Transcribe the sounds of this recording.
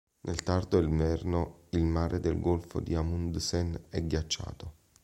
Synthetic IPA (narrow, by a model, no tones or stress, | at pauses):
nʔelt̪ard̪oelvɛrnoilmaːɾʔed̪elɡolfo̰d̪iamund̪sɛnɛɡːjat͡ʃːa̰ːt̪o